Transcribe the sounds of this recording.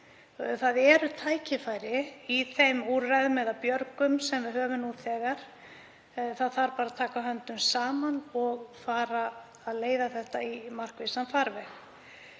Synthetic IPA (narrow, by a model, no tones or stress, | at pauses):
θaðɛɾʏt̪ʰaːjcɪfajɾɪiθejmuɾrajðʏmɛðapjœɾkʏmsɛmvɪðɦœːvʏnut̪θɛːɣaɾ̥ | θaðθaɾpaːɾaðt̪ʰaːkaɦœnt̪ʏmsaːmanɔɣfaːɾaː | ðleːjðaθɛht̪aimar̥kvɪsanfaɾvɛx